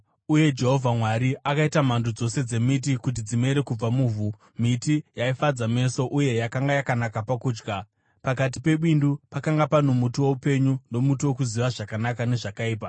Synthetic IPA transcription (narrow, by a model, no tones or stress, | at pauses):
uje̞d͡ʒe̞ɦo̞vʱamwaɾiakaitamandud͡zo̞se̞d͡ze̞mit̬ikut̬id͡zime̞ɾe̞kub͡vamuːvu | mitijaifad͡zame̞so̞ʔuje̞jakaŋɡajakanakapakuːd͡ʒɡa | pakat̬i̥pe̞ɓindupakaŋɡapano̞mutiwo̞upe̞ɲuno̞mutiwo̞kuziʋaʐakanakane̞ʐakaiːp̬a